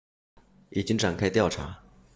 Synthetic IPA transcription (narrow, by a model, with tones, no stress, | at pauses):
i˨˩t͡ɕi˥ŋʈ͡ʂa˨˩nkʰa˥ɪt̪jɑ˥˩ʊʈ͡ʂʰa̰˧˥